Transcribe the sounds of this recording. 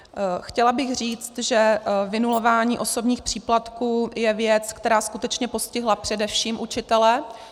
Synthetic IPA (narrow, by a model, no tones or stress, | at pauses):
xcɛlabɪɣr̝iːt͡st̪ʒɛvɪnulo̞vaːɲiːʔo̞so̞bɲiːxpr̝̥iːplat̪kuːjɛvjɛt͡skt̪ɛɾaːskut̪ɛt͡ʃɲɛpo̞scɪɦlapr̥ɛdɛfʃiːmʔut͡ʃɪt̪ɛlɛ